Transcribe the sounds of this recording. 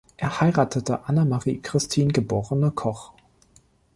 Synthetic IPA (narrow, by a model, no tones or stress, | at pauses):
ʔeːɐhaɪʁaːtʰətəʔanamaʁḭːkʁ̥ɪstʰiːnɡəboːʁənəkʰɔχ